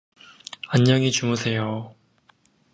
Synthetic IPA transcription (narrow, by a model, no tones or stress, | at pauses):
aɲːʌŋit͡ɕumusʰe̞jo